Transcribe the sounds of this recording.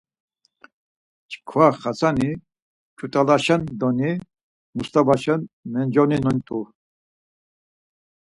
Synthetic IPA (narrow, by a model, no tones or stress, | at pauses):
t͡ʃkʰwaχat͡sʰʼani | t͡ʃʰʼut̪ʼalaʃɛnd̪ɔni | must̪ʼabaʃɛnmɛnd͡ʒɔninɔnt̪ʼu